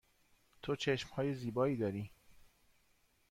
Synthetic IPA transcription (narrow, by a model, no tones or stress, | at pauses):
t̪ʰot͡ʃʰe̞ʃmhɒːje̞ziːbɒːiːd̪ɒːɾiː